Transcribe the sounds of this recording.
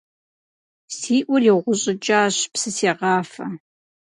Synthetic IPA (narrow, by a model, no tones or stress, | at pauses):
siːʔʷʊrjɪʁʷʊɕʼɪt͡ʃʼaːɕpsɨseːʁɑːfɐ